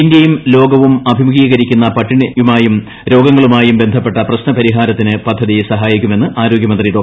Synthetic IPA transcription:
ind̪jɐjumlo̞ːɡɐʋumɐbʱimuɡiːɣɐɾikʲːunːɐpɐʈːiɳjumaːjum | ɾo̞ːɡɐŋːɐɭumaːjumbe̞nd̪ʱɐpːe̞ʈːɐprɐɕnɐpɐɾiɦaːɾɐt̪ːinɨpɐd̪ʱːɐðijsɐɦaːjikʲːume̞nːɨʔaːɾo̞ːɡjɐmɐnd̪riɾoː

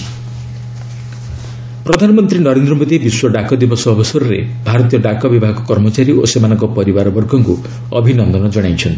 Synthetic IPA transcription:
pɾɔd̪ʱanɔmɔnt̪ɾinʌɾend̪ɾɔmod̪ʱibiswɔɖakɔd̪ibɔsɔːbɔsɔɾɾḛbʱaɾɔt̪̬ijɔɖakɔbibʱaɦɡɔkɔɾmɔt͡ʃaɾio̰semanɔŋkɔpɔɾibaɾɔbɔrɡʱɔŋku | ɔ̰bʱinʌnd̪ʱɔnʌd͡ʒʌɽ̃ajt͡ʃʰʌnt̪i

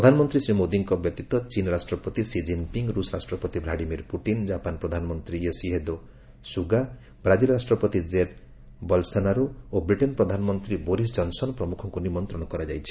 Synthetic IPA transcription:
pɾɔd̪ʱanɔmɔnt̪ɾisɾimod̪iŋkɔbjɔt̪it̪wɔt͡ʃinɔɾasʈɾɔpɔt̪isid͡ʒinpiŋɡɾusɔɾasʈɾɔpɔt̪ibʱlaɖimiɾpuʈind͡ʒapanpɾɔd̪ʱanɔmɔnt̪ɾiesiɦed̪o | suɡa | bɾad͡ʒilɾasʈɾɔpɔt̪id͡ʒed̪ | bɔlsanaɾuobɾiʈenpɾɔd̪ʱanɔmɔnt̪ɾiboɾis̬d͡ʒɔnsɔnpɾɔmukʰɔŋkunimɔnt̪ɾɔɽ̃ɔkɔɾad͡ʒajt͡ʃʰi̥

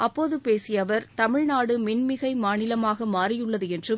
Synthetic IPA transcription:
ʔɐpːoːðɯpeːsɪjɐʋɐɾt̪ɐmɪɻnaːɽɯmɪnmɪɣɐɪmaːnɪlɐmaːɣɐmaːrɪjɯɭːɐðɯɛndrɯ

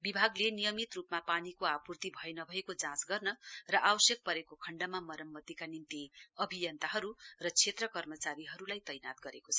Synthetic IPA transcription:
bibʱaɡlenijʌmit̪rupmapanikoapurt̪ibʱʌenʌbʱʌekod͡zãsɡʌrnʌrʌʔawʌsjʌk̚pʌɾekokʰʌɳɖamamʌɾʌmːʌt̪ikanint̪iʌbʱijʌnt̪aɦʌɾurʌt͡sʰet̪rʌkʌrmʌt͡saɾiɦʌɾulajt̪ʌjnat̪̚ɡʌɾekot͡sʰʌ̥

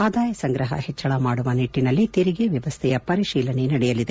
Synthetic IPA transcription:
aːd̪aːjɐsɐŋɡɾɐɦɐ̰hɛt͡ʃːɐɭɐmaːɽuʋɐniʈːinɐlːit̪eɾiɡeʋjɐʋɐst̪ʰɛjɐpɐɾiʃiːlɐne̞nɐɽɛjɐlid̪e

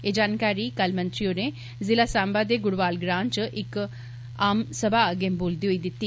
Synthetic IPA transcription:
eːd͡ʒaːnkaːɾiːkəlmənt̪ɾiːoːneː | zɪlaːsãːmbaːd̪eːɡʊɽʋaːlɡɾãːnt͡ʃʔɪk | aːmsəbaːəɡemboːld̪iːɦoiːd̪ɪt̪ːiː

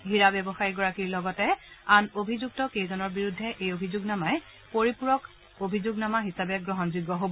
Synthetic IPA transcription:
ɡʱiɹabɛbɔxajiɡɔɹakiɹlɔɡɔtɛanobʱizuɡ̚tɔkejzɔnɔɹbiɹudʱːɛʔejobʱizuɡnamaj | poɹipuɹɔk | obʱizuɡnamaɦisabɛɡɹɔɦɔnzuɡːɔɦobɔ

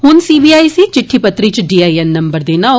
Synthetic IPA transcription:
hʊnsiːbiːaːisit͡ʃɪʈʰːipət̪ɾit͡ʃɖiːaːiɛnnɐ̃mbəɾd̪eːnã

